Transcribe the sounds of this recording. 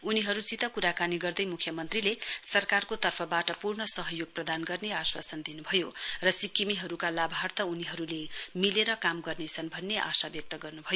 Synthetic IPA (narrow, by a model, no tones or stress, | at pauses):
uniɦʌɾut͡sit̪ʌkuɾakaniɡʌrd̪ʌjmukʰjʌmʌnt̪rilesʌrkarkot̪ʌrpʰʌbaʈʌpurɳʌsʌɦʌjoɡ̚prʌd̪anɡʌrneaswa̰sʌnd̪inubʱʌjorʌsikːimiɦʌɾukalabʱart̪ʌuniɦʌɾulemileɾʌkamɡʌrnet͡sʰʌnbʱʌnːeʔa̰sabjʌk̚t̪ʌɡʌrnubʱʌjo